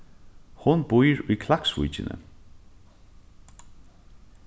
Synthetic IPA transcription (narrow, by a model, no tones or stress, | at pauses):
hʊnbʊjɹʊjkʰlaksvṵjt͡ʃɪnə̰